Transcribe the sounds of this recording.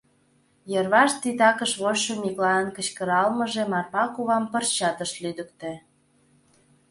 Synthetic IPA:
jə̆rβɑʃt̪it̪ɑkəʃβoɕːomʲiklɑənkət͡ɕkə̆ɾɑlmə̆ʒĕmɑrpɑkuβɑmpə̆rt͡ɕɑt̪əʃlyd̪əkt̪ĕ

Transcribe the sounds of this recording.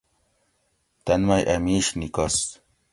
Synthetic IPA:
t̪ɐnmajʔɐmiːɕnikos

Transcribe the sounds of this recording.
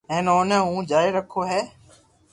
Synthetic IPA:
ɛ̃ːnoːnẽːɦũːd͡ʒaːiɾəkʰoːɦeː

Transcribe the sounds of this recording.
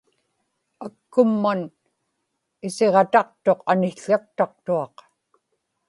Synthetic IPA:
akːʊmːan | ɪse̞ʁɑt̪ɑq̚t̪o̞qanɪxɬak̚t̪ɑq̚t̪uɑq

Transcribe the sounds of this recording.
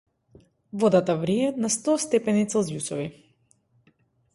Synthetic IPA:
vɔd̪at̪avɾiɛt̪nast̪ɔst̪ɛpɛnit̪sɛlˠzjusɔvi

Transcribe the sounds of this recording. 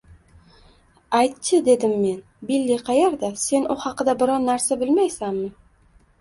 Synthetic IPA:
ajt̪t͡ʃɪd̪e̞d̪ɪmːe̞n | bilːiqʰɑjeɾd̪ase̞nʊhɑqɨd̪abɪɾɒnːaɾsabɪlmajsamːɪ

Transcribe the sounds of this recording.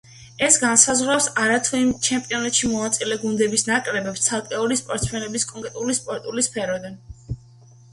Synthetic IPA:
ɛsɡansazʁwɾawsaɾat̪ʰuimt͡ʃʰɛmpʼiɔnat̪ʃimɔnat̪sʼilɛɡund̪ɛbisnakʼɾɛbɛpst̪sʰalˠkʼɛulispʼɔɾt̪smɛnɛbiskʼɔŋkʼɾɛt̪ʼulispʼɔɾt̪ʼulispʰɛɾɔd̪an

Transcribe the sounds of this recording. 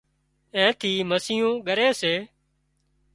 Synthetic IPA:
ẽːt̪ʰiːməsiːjõːɠəɾeːseː

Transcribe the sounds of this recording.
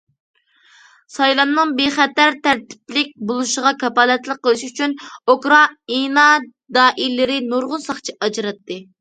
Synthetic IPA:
sɑjlˠɑnnɨŋbeχɛt̪æɾt̪ʰæɾt̪ʰɪ̥plɪk̚ʲbolˠuʃəʁɑkʰɑpɑːlɛt̪lˠəqːəlˠɪʃyt͡ʃʰynokɾɑinɑ | d̪ɑːʔilːɪɾɪnoɾʁʊnsɑχt͡ʃʰiʔɑd͡ʒɾɑt̪ːɨ

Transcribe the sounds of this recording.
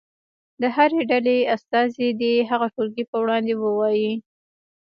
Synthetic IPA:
d̪əɦaɾeɖaleast̪ɑzid̪iɦaɣaʈoɾɡipəwɽɑnd̪ewəwɑji

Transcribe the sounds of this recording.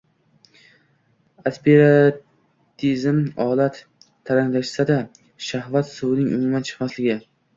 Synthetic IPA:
aspeɾa | t̪ʰizmɒlat̪ʰː | aɾaŋlaʃsad̪a | ʃahvat̪sʊwnɪŋʔʊ̰mʊmant͡ʃʰɨ̥qmaslɪɡʲɪ

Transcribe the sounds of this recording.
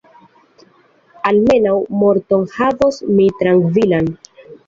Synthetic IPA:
alme̞nawmo̞ɾto̞nhavosmitɾaŋɡvilan

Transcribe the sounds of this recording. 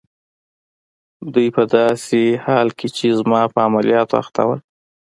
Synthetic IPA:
d̪ujpəd̪ɑsehɑlkʰet͡ʃezmɑpəamalijɑt̪oa̰xt̪a̰wəl

